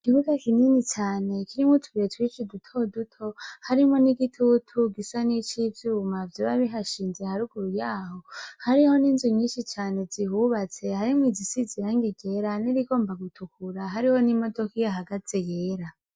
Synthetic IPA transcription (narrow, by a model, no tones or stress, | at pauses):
kiβuɡakiniːnit͡ʃaːne̞kiɾimutʰu̥ɡietwit͡ʃidutʰo̞dutʰo̞haɾimoniɡitʰutʰuɡisanit͡ʃivjuːmavjoβaβiɦaʃiːnzehaɾuɡuɾujaːho̞haɾiho̞niːnzuɲiːʃit͡ʃaːne̞zihuβat͡se̞haɾimwizisiziɾaŋɡiɡe̞ɾaniɾiɡo̞ːmbaɡutʰukuɾaɦaɾiho̞nimo̞do̞kijaɦaɡat͡sejeːɾa